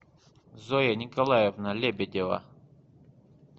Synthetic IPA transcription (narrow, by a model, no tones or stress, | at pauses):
zojɐnʲikɐlˠajevnɐlʲebʲed̪ʲevɐ̰